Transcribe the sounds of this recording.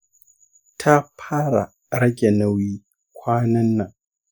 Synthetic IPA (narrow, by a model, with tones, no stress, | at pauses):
tʰa˦pʰaː˦ɾa̰˨ | ɾɐ˦ɡʲɛ˨nɐ˦wiː˦ | kʷʰaː˦nɐ˦nːa˨ŋ